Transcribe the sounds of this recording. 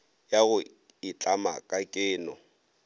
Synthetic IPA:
jaɣʊ | ɪt͡ɬʼama̰kʼakʼɪːnɔ̰

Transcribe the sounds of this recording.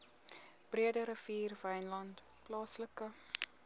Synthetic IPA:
b̥riədəɾəviːrvɛjnlɐnt | plɑːsləkə

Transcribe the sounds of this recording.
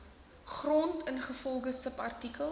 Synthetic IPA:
χrɔntənχəfɔlˠχəsəpɐrtikəl

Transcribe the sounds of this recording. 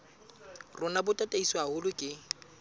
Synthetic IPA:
rʊnabʊtʼatʼaiswahʊlʊkʼɪ

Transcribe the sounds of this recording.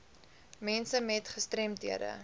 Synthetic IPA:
mɛnsəmɛtχəstrɛmtɦiədə̰

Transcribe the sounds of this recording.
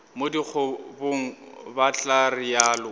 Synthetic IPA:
modik͡xʰʊboŋ̩bat͡ɬʼarɪjaːlʊ

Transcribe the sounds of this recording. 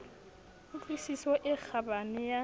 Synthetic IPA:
t͡ɬisiswɔʔɪk͡xʰabanɪja

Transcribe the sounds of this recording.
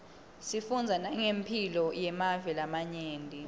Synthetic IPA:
sifund͡zʱanaŋempʰilɔjɛmavɛlamaɲeːndʱi

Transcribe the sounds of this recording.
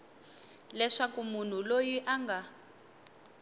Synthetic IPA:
lɛʂakumun̤ulojiʔaŋɡa

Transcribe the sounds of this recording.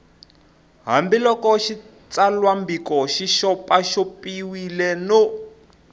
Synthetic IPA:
ɦa̰mbilɔkɔʃi | t͡salwambikɔʃiʃɔpaʃɔpiwilɛno

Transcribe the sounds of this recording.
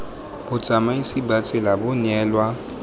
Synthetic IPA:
bʊ̥d͡z̥ʱamaisibat͡sʼɪlabʊɲɛːlwa

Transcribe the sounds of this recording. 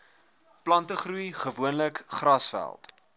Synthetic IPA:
plɐntəχrujχəvuənləkχrɐsfæ̰lˠt

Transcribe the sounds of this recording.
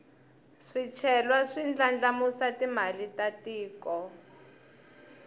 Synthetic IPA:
ʂit͡ʃʰɛlwaʂind͡ɮand͡ɮamusatimalitatiːkɔ

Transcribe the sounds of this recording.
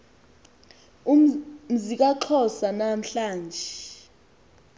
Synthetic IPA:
um̩zik̬aǃʰɔsanam̩ɬaːnd͡ʒʱɛ

